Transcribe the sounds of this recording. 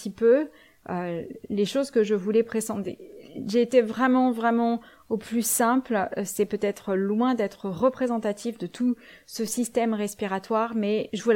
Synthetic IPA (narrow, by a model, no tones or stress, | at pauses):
t̪ipø | øleʃozkəʒəvulɛpχesɑ̃t̪ḛʒeːt̪evʁɛmɑ̃vʁɛmɑ̃ | oplysɛ̃plsɛpøt̪ɛt̪χəlwɛ̃d̪ɛt̪χəʁəpχezɑ̃t̪at̪ifd̪ət̪ʰu | səsist̪ɛmʁɛspiʁat̪waʁmɛʒəvul